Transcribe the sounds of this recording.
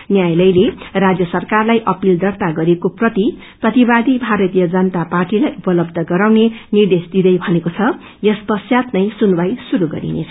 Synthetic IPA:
njajlʌjlerad͡zjʌsʌrkarlajʔʌpild̪ʌrt̪aɡʌɾekoprʌt̪i | prʌt̪ibad̪ibʱaɾʌt̪ijʌd͡zʌnʌt̪aparʈilajupʌlʌbd̪ʱʌɡʌɾawnenird̪esd̪id̪ʌjbʱʌnekot͡sʰʌ | jʌspʌsjat̪nʌjsunbajsuɾuɡʌ̰ɾḭnḛt͡sʰʌ

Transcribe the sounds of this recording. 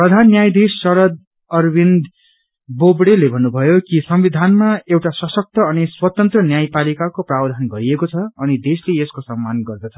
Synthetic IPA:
prʌd̪ʱanːjajd̪esːʌɾʌd̪̚ | ʌrbind̪ | bobɽelebʱʌnːubʱʌjokisʌmbid̪ʱanmaewʈasʌsʌk̚t̪ʌʌniswʌt̪ʌnt̪rʌnjajpalikakoprabd̪ʱanɡʌɾiekot͡sʰʌːnid̪esleeskosʌmːanɡʌrd̪ʌt͡sʰʌ̥

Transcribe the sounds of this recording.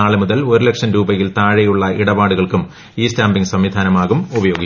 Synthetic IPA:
aːɭɨmuðɐloɾulekʂɐnɾuːbɐjilt̪aːɻɐjuɭːɐʔiɽɐbaːɽuɣɐɭkum | iːstaːmbiŋɡsɐmʋid̪ʱaːnɐmaːɣumubɐjo̞ːɡi

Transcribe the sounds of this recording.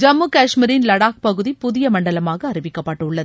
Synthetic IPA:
d͡ʒɐmːukaːʂmɪɾɪnlɐɽaːk̚pɐɣɯðipʊðɪjɐmɐɳɖɐlɐmaːɣɐːrɪʋɪkːɐpːɐːʈːɯʊɭːɐðɯ

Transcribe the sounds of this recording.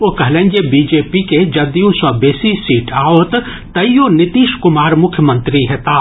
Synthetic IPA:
oːkɐɦlẽːnɡebiːd͡ʒeːpiked͡ʒɐbd̪ijũsɔbeːsisiːʈʰaːoːt̪ | t̪ɐijonɪt̪iːʃkʊmaːɾmʊkʰjəmə̃nt̪ɾiɦet̪aː

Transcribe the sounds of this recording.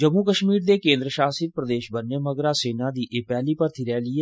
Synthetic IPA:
d͡ʒəmuːkəʃmiːɾd̪eːkẽːnd̪ɾəʃaːsɪt̪pɾəd̪eːʃbənːeməɡɾaːseːnãːd̪iːʔeːpɛːliːpəɾt̪ʰiɾɛːliːeː

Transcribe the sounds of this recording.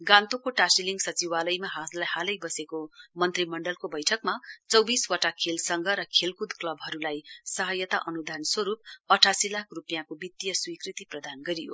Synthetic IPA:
ɡãnt̪okoʈasiliŋɡsʌt͡siwalʌjmaɦalahalʌjbʌsekomʌnt̪rimʌɳɖʌlkobʌjʈʰʌkmat͡sʌwbiswʌʈakʰelsʌŋɡʱʌɾʌkʰelkud̪klʌbɦʌɾulajsʌɦʌjʌt̪aʔʌnud̪ʱanswʌɾup̚ʌʈʰasilakʰrupjãkobit̪ːijʌswikrit̪iprʌd̪anɡʌɾijo̰

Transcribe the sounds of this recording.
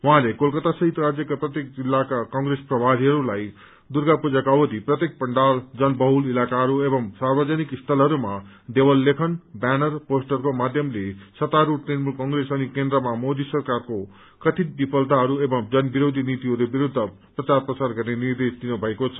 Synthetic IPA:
wuɦãlekolkʌt̪asʌɦit̪rad͡zjʌkaprʌt̪jek̚d͡zilːakakʌŋresprʌbʱaɾiɦʌɾulaj | d̪urɡapud͡zakaʌbʌd̪ʱiprʌt̪jek̚pʌɳɖald͡zʌnbʌɦulilakaɦʌɾuebʌmsarbʌd͡zanikist̪ʰʌlɦʌɾuma | d̪ewʌlːekʰʌnbanʌrposʈʌrkomad̪ʱjʌmlesʌt̪aɾuʈnenmulkʌŋɡresʌnikend̪ɾʌmamod̪isʌrkarko | kʌt̪ʰit̪̚bipʌlt̪aɦʌɾuebʌmd͡zʌnbiɾod̪ʱinit̪iʌɾubiɾud̪ʱːʌ | prʌt͡sarprʌsarɡʌrnenird̪esd̪inubʱʌekot͡sʰʌ̥

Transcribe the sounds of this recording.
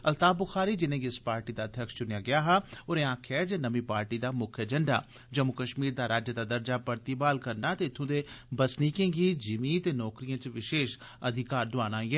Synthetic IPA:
əlt̪aːbʊxʰaːɾiːd͡ʒɪnẽːɡiɪspaːɾʈiːd̪aːd̪ʱjəkʃt͡ʃʊnejaːɡɪaːɦaːoːɾẽːãːkʰɛːd͡ʒeːnəmĩːpaːɾʈiːd̪aːmʊkʰɛːd͡ʒəɳɖa̰ː | d͡ʒəmːʊkəʃmiːɾd̪aːɾaːd͡ʒəd̪aːd̪əɾd͡ʒaːpəɾt̪iːbaːlkəɾnaːt̪eːɪt̪ʰːõːd̪eːbəsniːkẽːɡiːd͡ʒɪmiːt̪eːnɔːkɾijãːt͡ʃʋɪʃeːʃ | əd̪ʱɪkaːɾd̪ʊaːnaːiɛː

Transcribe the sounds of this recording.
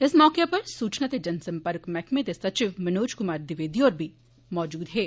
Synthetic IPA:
ɪsmɔːkepɐɾsuːt͡ʃnat̪ed͡ʒɐnsɐ̃mpəɾkmɛkmẽd̪esɐt͡ʃiʋmɐnoːd͡ʒkʊmaːɾd̪ɪʋeːd̪iɔːɾbʱi | mɔːd͡ʒuːd̪ɦɛː

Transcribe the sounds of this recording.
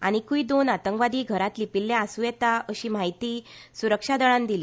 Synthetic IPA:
a̰ɽ̃ikuid̪onat̪əŋkʋad̪iːɡʱəɾat̪lipilːjaːsuːjɛt̪aəɕiːmaɦit̪iːsuɾəkʂad̪əɭãnd̪ili

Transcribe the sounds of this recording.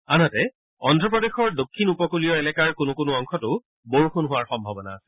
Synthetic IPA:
anɔtɛ | ɔndʱɹɔp̬ɹɔdexɔɹdokʰːinupɔkulijɔɛlɛkaɹkʊnʊkʊnʊɔŋxʰɔtʊ | boɹuxunɦʊwaɹxɔmbʱɔbɔna̰

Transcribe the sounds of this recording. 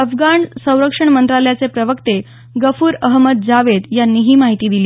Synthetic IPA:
əfɡaɳsə̃w̃ɾəkʂəɳ̃mənt̪ɾaləjat͡sepɾəʋəkt̪e | ɡəfuːɾəɦməd̪̚d͡zaʋed̪janːiːɦiːmaɦit̪iːd̪iliː

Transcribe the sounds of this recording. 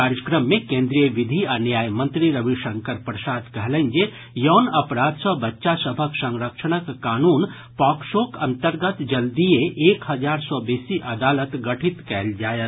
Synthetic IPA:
aːɾjəkɾəmːẽkẽːnd̪ɾijəʋɪd̪ʱianjaːjmə̃nt̪ɾiɾɐʋiʃɐ̃ŋkəɾpɾəsaːd̪kɛɦlə̃nd͡ʒe | jɔːnɐpɾaːd̪sɔbɐtːʃasəbʱəksɐ̃ŋɾəkʃəñəkːaːnuːn | pɔːkʃoːkɐ̃nt̪əɾɡət̪d͡ʒɐld̪ieʔeːkɦɐd͡ʒaːɾsɔbeːsiʔɐd̪aːlət̪ɡɐʈʰit̪kɛːld͡ʒaːjət̪

